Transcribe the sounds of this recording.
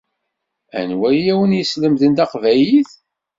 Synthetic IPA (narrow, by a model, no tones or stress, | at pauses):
æ̰nwæjæwənjəsləmðənd̪æqvæjiθ